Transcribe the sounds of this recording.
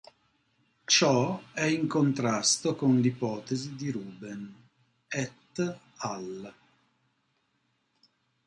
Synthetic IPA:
t͡ʃɔɛiŋkont̪ɾast̪okonlipɔːt̪ezid̪iɾuːben | ɛt̪ː | al

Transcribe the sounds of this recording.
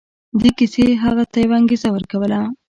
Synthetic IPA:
d̪ekiseɦaɣat̪ajwaŋɡizawəɾkawəla

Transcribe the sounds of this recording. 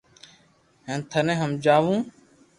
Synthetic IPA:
ɦẽːnt̪ʰənẽːɦəmd͡ʒaːʋũː

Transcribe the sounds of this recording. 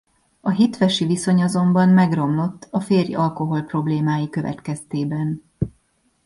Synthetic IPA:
ɒɦit̪ʋɛʃiviso̞ɲɒzo̞mbɒnmɛɡro̞mlo̞t̪ːɒfeːrjɒlko̞ɦo̞lpro̞bleːmaːjikøvɛ̰t̪kɛst̪eːbɛn

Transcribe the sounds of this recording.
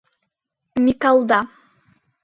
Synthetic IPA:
mʲikalˠd̪a

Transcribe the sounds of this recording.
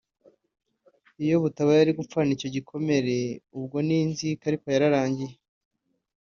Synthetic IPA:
ijo̞βutaβajaɾiɡupp͡fanico̞ɟikʰo̞me̞ɾe̞ubɡo̞ninzikaɾiko̞jaɾaɾaːɲɟije

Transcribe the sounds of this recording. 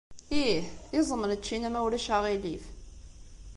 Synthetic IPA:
ihizˤəməɾət͡ʃːinæmæwlæʃaʁilif

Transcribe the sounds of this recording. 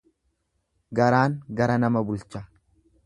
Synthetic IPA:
ɡɐɾaːŋɡɐɾɐnɐmɐbʊlt͡ʃɐ

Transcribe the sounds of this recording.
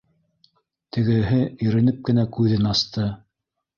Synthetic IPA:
t̪ɘ̆ɡɘ̆ɦɘɵ̆ɾɘ̆nɘp̚kɘ̆nækʉðɘnɑst̪ʰɤ

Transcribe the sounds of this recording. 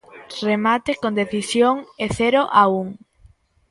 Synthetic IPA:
remat̪ɪkõnd̪eθisjoŋeθɛɾoʔauŋ

